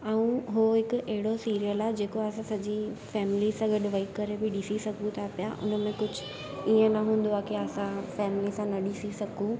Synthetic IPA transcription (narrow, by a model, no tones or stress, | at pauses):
aũɦoɦɪkʊɐɦɪɽosiːɾijəlaːɦed͡ʑeːkoɐsãsɐd͡ʑifɛːmɪlisãɡɐɗʋɐikːɐɾebɪɗɪsisɐɡʱũt̪ʰapijaʔʊ̰nəmẽkʊd͡ʑʱʊ | iːə̃nɐɦũːn̆d̪oaːkiasãfɛːmɪlisãnɐɗisisɐɡʱũ